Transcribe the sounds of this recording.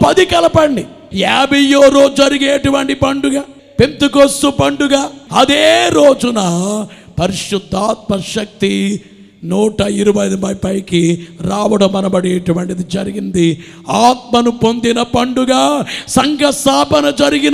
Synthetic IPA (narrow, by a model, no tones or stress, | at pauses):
pɐd̪ikɐlɐpɐɳɖi | jaːbijoːɾoːd͡ʒɐɾiɡeːʈuʋɐɳʈipɐɳɖuɡaː | pent̪ukost̪upɐɳɖuɡaːɐd̪eːɾoːd͡ʒunɐ | pɐɾiʂud̪ʱːaːt̪̚mɐɾʃɐk̚t̪i | nuːʈɐiɾubɐjd̪ubɐjpɐjkiɾaːʋɐɽɐmɐnɐbɐɽeːʈuʋɐɳʈid̪id͡ʒɐɾiɡind̪i | aːt̪̚mɐnupo̞nd̪inɐpɐɳɖuɡaːsɐŋɡɐst̪aːpɐnɐd͡ʒɐɾiɡin